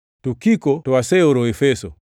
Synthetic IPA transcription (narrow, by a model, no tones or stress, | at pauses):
tukikɔtɔasɛuɾɔɛfɛsɔ